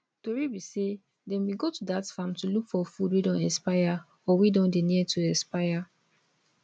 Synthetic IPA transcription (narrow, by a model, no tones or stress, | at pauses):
toɹibise | dɛ̃nwiɡotudatfãmtulukfɔfudwedɔ̃nɛspaja | ɔwidɔ̃ndeniɛtʰuɛspaja